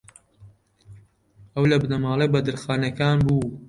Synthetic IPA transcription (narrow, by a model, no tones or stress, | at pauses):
ɐwlɐbɨnɐmaːlˠejbɐd̪ɨɾxaːnɐkaːnbuː